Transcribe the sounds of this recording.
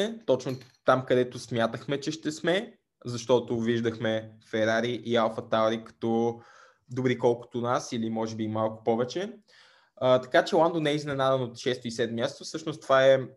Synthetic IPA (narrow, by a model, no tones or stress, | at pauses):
ɛt̪ɔt͡ʃnot̪amkɐd̪ɛt̪ʊsmjat̪əxmɛt͡ʃɛʃt̪ɛsmɛ | zɐʃt̪ɔt̪ʊviʒd̪ɐxmɛfɛɾaɾiʔialˠfɐt̪alɾikɐ̥t̪ɔ | d̪obɾikɔlˠkʊ̥t̪ʊnasilimɔʒɛbimalˠkʊ̥pɔvɛt͡ʃɛ | ət̪ɐ̥kat͡ʃɛlˠand̪onɛiznɛnad̪ɛnot̪ʃɛst̪oisɛd̪mmjast̪ofsɤʃnost̪ovaɛ